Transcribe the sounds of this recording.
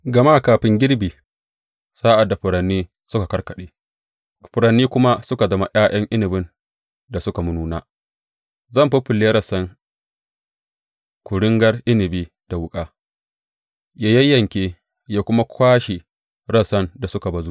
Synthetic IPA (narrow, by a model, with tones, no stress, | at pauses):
ɡɐ˨ma˦˨kaː˨ɸɪ˦ŋɡʲɪ˦ɽbiː˨ | saː˦ʔa˨dːa˨ɸʊ˨ɽɐ˨nːiː˦ | sʊ˦ka˨kɐ˦rkɐ˨ɗeː˦ | ɸʊ˨ɾɐ˨nːiː˦kʷʊ˦ma˦sʊ˦ka˨zɐ˦ma˨jʔaː˦j̰ɐ˦ŋʔɪ˦nɪ˨bɪ˦n | da˨sʊ˦ka˨mʊ˦nuː˦na̰ː˦ | zɐ˦˨mɸi˦ɸɪ˨lːeː˦ɾɐ˦˨sɐ˦ŋ | kʷʊ˨ɽɪ˦ŋɡɐ˦rʔɪ˦nɪ˨biː˦ | d̥a˨wʊ˦kʼaː˦ | ja˦jɐ˦jːɐ˨ŋkʲeː˦ | jaː˦kʷʊ˦ma˦kʷʰaː˦ʃi˨ | ɽɐ˦sɐ˦nda˨sʊ˦ka˨bɐ˨zu˦